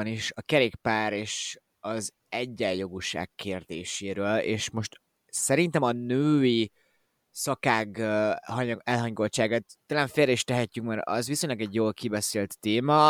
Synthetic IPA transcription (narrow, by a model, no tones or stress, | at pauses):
niʃɒkɛɾeːkpaːɾeːʃ | ɒz | ɛɟːɛljo̞ɡuʃa̰ːkkːeːrd̪eːʃeːɾøːlḛːʃmo̞ʃt̪ | sɛɾint̪ɛmɒnøːi | sɒkaːɡɦɒɛlɦɒɲɡo̞lt͡ʃaːɡat̪t̪ːɒlaːɱfeːrɛiʃt̪ɛɦɛcːykmɛɾɒ̰zʋiso̞ɲlɒɡɛɟjoːlkibɛseːlt̪ːeːmɒ